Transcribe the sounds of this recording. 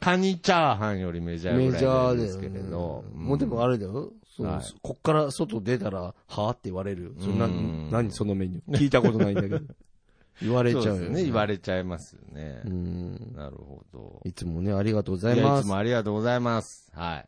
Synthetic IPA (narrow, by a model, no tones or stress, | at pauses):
kʰaɲ̟it͡ɕaɦãɰ̃jo̞ɾʲime̞ʑajmeʑad̪ajɨokeɾḛd̪õ̰moːd̪e̞moaɾe̞d̪ajosono̰ko̞kːaɾaso̞t̪o̞d̪e̞t̪aɾahaːt̪ːeiβaɾe̞ɾɯ̟soɾnanaɲ̟iso̞nomẽ̞ɲ̟iiːt̪ako̞t̪o̞naĩned̪aked̪o | iβaɾe̞t͡ɕaɯneiβaɾe̞t͡ɕaimasɨnḛɯ̃ːna̰ɾɯ̟̰ho̰d̪̥o̰it͡sɨmo̞ne̞aɾʲiɡat̪o̞ːɡozaimasɨmoaɾʲiɡat̪oːɡo̞zaimasɨ̥ha̰ḭ